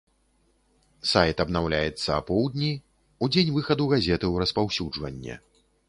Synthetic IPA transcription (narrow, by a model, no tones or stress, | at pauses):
sajt̪ɐbnawlʲajɛt̪sːɐːpɔwd̪nʲi | ud͡zʲenʲvɨxɐd̪uɣazʲɛt̪ɨwɾɐspawsʲud͡ʐvɐnʲːɛ̰